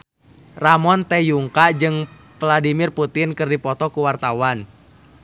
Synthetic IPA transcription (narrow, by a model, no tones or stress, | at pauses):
ramɔnt̪ɛjuŋkad͡ʒɨŋ | vladimɪrput̪ɪnkɨrdipɔt̪ɔkuwart̪awan